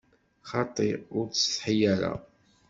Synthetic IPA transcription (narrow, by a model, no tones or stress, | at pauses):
χɑt̪ˤiʊɾt͡sːə̥θħijæɾæ̰